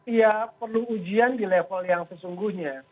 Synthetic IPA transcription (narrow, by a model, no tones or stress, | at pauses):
ijapərluːd͡ʒiandilefəljaŋsəsuŋɡuhɲa